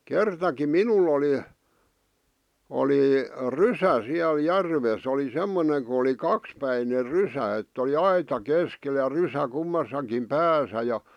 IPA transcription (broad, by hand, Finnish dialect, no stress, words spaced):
kertɑki minul oli oli rysæ siæl jærʋes oli semːone ku oli kɑkspæiner rysæ etː oli ɑitɑ keskel jɑ rysæ kumːɑsɑkim pæːsæ jɑ